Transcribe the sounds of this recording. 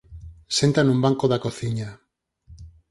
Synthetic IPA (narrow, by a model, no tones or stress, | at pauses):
sent̪anũmbaŋkoðakoθiɲa